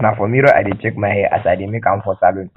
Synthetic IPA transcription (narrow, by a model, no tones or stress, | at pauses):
nãfɔmĩɾɔʔa̰det͡ʃek̚mãhɛʔa̰sadimĩkãmfɔsalon